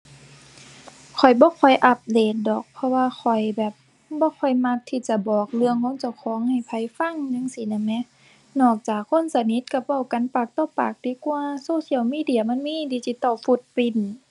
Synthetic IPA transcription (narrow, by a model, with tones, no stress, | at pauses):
kʰɔ˨˩jbɔː˧˦kʰɔ˨˩jʔa˧p̚deː˨˩t̪̚dɔː˨˩k̚pʰɔ˧waː˧xʰɔ˨˩jbɛː˨˩p̚ | bɔː˧˦kʰɔ˨˩jma˧˥tt̪ʰːiː˧˩t͡ɕa˧˦bɔː˨˩k̚lɯ˧əŋkʰo˧˥˨nt͡ɕa˧˩wkʰɔː˨˦ŋha˨˩jpʰa˧˦jfa˧˥˨ŋɲa˧˨ŋsi˧˦na˧˩nɛ˧˥ | nɔː˧˩k̚t͡ɕaː˨˩kʰːo˧˥˨nsa˧ni˧˥t̪̚ka˧˩pa˧˩wka˨˦npaː˨˩k̚t̪ɔː˧˩˨paː˨˩k̚diː˧˦kwaː˧soː˧˥˨si˧˨ə˨wmiː˧˥˨di˧˨ɐ˨ma˧˥˨nmiː˧˥˨d̪iː˧˩si˧˦t̪ɔ˧˩fu˧˦t̪̚pi˧˩n